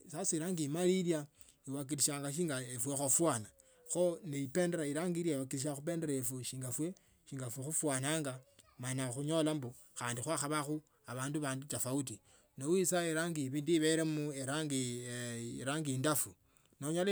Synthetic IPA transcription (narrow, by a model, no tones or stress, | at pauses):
sasiiɾaːŋɡimalilja | iwak̬iɾiʃaːŋɡaʃ̬iːŋɡaefwexofwana | xoneipe̞ːndeɾaiɾaːŋɡiɾjaiwakiɾiʃ̬axup̬e̞ːndeɾaefuʃiːŋɡafwe | ʃiːŋɡafwexufwaːnaːŋɡa | manaxuɲo̞lambo | xaːndixwaxaβaxu | aβaːnduβaːndut͡ʃafaut̬i | nowisaeɾaŋɡiβiːndiβeɾemueɾaŋɡi | ɾaːŋɡindafu | noɲol